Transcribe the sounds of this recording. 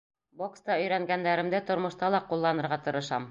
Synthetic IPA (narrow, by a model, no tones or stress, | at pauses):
bokst̪ɑɵ̆jɾæŋɡænd̪æɾɘ̆md̪ɘt̪ŏɾmɤ̆ʃt̪ɑlˠɑqulˠːɑnɤ̆ɾʁɑt̪ɤ̆ɾɤ̆ʃɑ̰m